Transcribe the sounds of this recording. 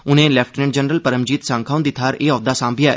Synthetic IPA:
ʊnẽːlɛːpʰʈnɛ̃ɳɖd͡ʒənɾəlpəɾəmd͡ʒiːt̪sãːŋkʰaːũnd̪ɪt̪ʰːaːɾeːɔːd̪aːsãːmbʱɪjaːɛ̰

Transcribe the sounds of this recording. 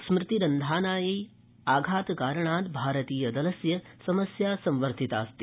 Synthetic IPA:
smɾɪt̪iɾɐnd̪ʱaːnaːjej | aːɡʱaːt̪kaːɾɐɳaːt̪bʱaːɾɐt̪iːjɐd̪ɐlɐsjɐsɐmɐsjaːsɐ̃mʋɐɾt̪it̪aːst̪i

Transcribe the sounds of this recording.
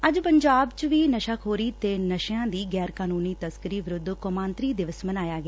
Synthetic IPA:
əd͡ʒpəɲd͡ʒaːbt͡ʃʋiːnəʃakʰɦoːɾiːt̪eːnəʃjãːd̪iːɡɛːɾkaːnuːniːt̪əskɪɾiːʋɪɾʊd̪komãːnt̪ɾiːd̪ɪʋəsmənaːjaːɡɪaː

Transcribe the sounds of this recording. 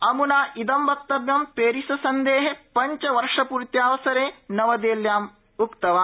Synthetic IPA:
ɐmunaːʔid̪ɐmbɐk̚t̪ɐbjɐmpeːɾisɐsɐnd̪eːɦepɐɲt͡ʃɐʋɐɾʂɐpuːɾt̪jaːʋɐsɐɾeːnɐʋɐd̪eːljaːm | ukt̪ɐʋaː

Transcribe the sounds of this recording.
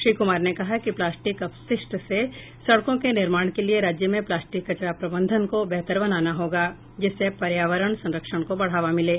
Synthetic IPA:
ʃɾiːkʊmaːɾnekɐɦakiplaːsʈɪkɐpsɪsʈse | sɐɽkõkenɪɾmaːɽ̃kelieɾaːd͡ʒjəmẽplaːsʈɪkːɐt͡ʃɾapɾɐbə̃nd̪ʱənkobɛɦt̪əɾbənaːnaɦoːɡaː | d͡ʒɪsːepɐɾjaːʋəɾəɳ̃sɐ̃nɾəkʃəɽ̃kobɐɽ̤aːʋamɪleː

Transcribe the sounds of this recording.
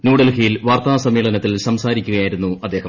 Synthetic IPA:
nuːɽelkijilʋaːrt̪ɐnasɐmːiːɭɐnɐt̪ːilsɐmsaːɾikʲːuɣɐjaːjiɾunːuɐd̪ːe̞ːhɐm

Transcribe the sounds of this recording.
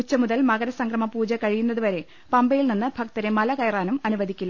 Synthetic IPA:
ut͡ɕːɐmuðɐlmɐɣɐɾɐsɐŋkrɐmɐpuːd͡ʑɐkɐɻijunːɐðuʋɐɾe̞ | pɐmbɐjilninːɨbʱɐk̚t̪ɐɾemɐlɐkɐjraːnumɐnuʋɐd̪ʱikʲːulːɐ

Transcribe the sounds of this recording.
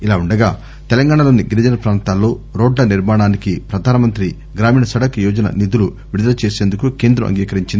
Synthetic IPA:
ilaːuɳɖɐɡa̰ː | t̪ɛlɐŋɡaːɳɐlo̞ːniɡiɾid͡ʒɐnɐpɾaːnt̪aːlːo̞ːɾoːɖlɐniɾmaːɳaːnikipɾɐd̪ʱaːnɐmɐnt̪ɾi | ɡɾaːmiːɳɐsɐɽɐkjɔːd͡ʒɐnɐ̰nit̪ulu | ʋiɽud̪ɐlɐt͡ʃe̞ːse̞ːnd̪ukuke̞ːnd̪ɾṵʔɐ̰ŋɡiːkɐɾiɲt͡ʃind̪

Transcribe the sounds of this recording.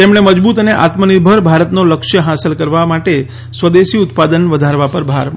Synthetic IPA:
t̪emɳeməd͡ʒbut̪əneʔa̰t̪məniɾbʱəɾbʱaɾət̪noləkʃjəɦasəlkəɾʋamaʈe | sʋəd̪eʃiʊt̪pad̪ənʋəd̪ʱaɾʋapəɾbʱaɾ

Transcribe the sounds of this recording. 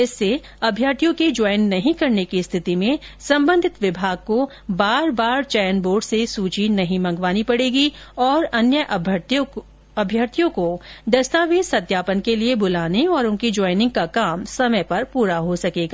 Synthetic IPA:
ɪsːe | ɐbʱjaːɾt̪ijõkid͡ʒɔːɪnːɐɦĩkɐɾnekist̪ʰɪt̪imẽsɐ̃mbə̃nd̪ʱɪt̪ʋɪbʱaːɡ̚ko | baːɾbaːɾt͡ʃɛːjənboːɾɖsesuːt͡ʃinɐɦĩmɐ̃ŋɡʋaːnipɐɽeːɡiɔːɾɐnjəʔ | ɐbʱjaːɾt̪ʰijõkod̪ɐst̪aːʋisɐd̪jaːpənkeliebʊlaːneɔːɾʊ̃nkid͡ʒɔːɪnɪ̃ŋɡ̚kakaːmsɐməjpɐɾpuːɾaɦosɐkeːɡaː

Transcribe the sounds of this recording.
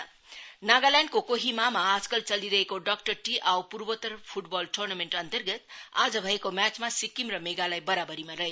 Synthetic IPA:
naɡalaɳɖkokoɦimamaːd͡zkʌlt͡sʌliɾʌɦekoɖakʈʌrʈiʔawpurbət̪ʌrpʰuʈbɔlʈʰornameɳʈʌnt̪ʌrɡʌt̪ad͡zʌbʱʌekomjat͡smasikimrʌmeɡalajbʌɾabʌɾimaɾʌɦe

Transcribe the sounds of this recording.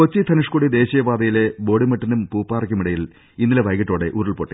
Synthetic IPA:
ot͡ɕːit̪ʰɐnuʂkoɽid̪e̞ːɕijɐbaːd̪ɐjile̞bo̞ːɽimɐʈːɐnumpuːpːaːrɐkʲːumiɽɐjil | inːileʋɐjɣɐʈːo̞ːɽe̞ʔuɾɐɭpoːʈːi

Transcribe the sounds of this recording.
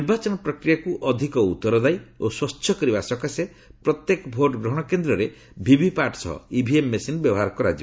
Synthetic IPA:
niɾbat͡ʃɔnɔpɾɔkɾijakuʔɔd̪ʱikɔut̪ːɔɾɔd̪ajoswɔtt͡ʃːʰjɔkɔɾibasɔkase | pɾɔt̪jekɔbʱoʈɔɡɾɔɦɔɽ̃ɔkend̪ɾɔɾe | bʱibʱipaʈsɔɦɔ̰ibʱiemːesinbjɔbɔɦaɾɔkɔɾa̰d͡ʒi

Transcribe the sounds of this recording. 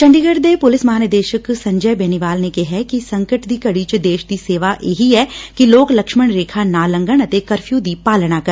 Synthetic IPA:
t͡ʃɐ̃ɳɖiɡəɽd̪epʊlɪsmɦaːnəd̪eːʃəksɐ̃ɲd͡ʒəbɛːniʋaːlnekeɦɛkisɐ̃ŋkəʈd̪iːkɐɽit͡ʃd̪eːʃd̪iseːʋaʔḛːɦiɦɛːkiloːklɐkʃməɳ̃ɾeːkʰanaːlə̃ŋɡəɳ̃ɐt̪ekɐɾfʰjũd̪iːpaːlɽakɐɾ

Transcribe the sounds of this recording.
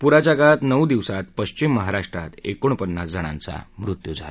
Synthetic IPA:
puɾat͡ɕjakat̪nəwd̪iʋsat̪pəɕt͡ɕimːəɦaɾaʂʈɾa̰t̪ekoɳ̃pənːasd͡zəɽ̃ã̰nt͡sa̰mɾut̪jud͡zʱa̰l

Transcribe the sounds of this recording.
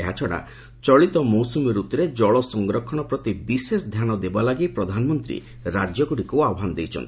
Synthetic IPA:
eɦat͡ʃʰɔɽ̃a̰ | t͡ʃɔɭit̪ɔmosɔmɔɾut̪ɔɾed͡ʒɔɭɔsɔŋɡɾɔkʰːɔɽ̃ɔpɾɔt̪ibisesɔd̪ʱjañɔd̪ebalaɡipɾɔd̪ʱanɔmɔnt̪ɾḭ | ɾad͡ʒjɔkuʈikuaɔɦanɔd̪ejt͡ʃʰɔ̰nt̪i

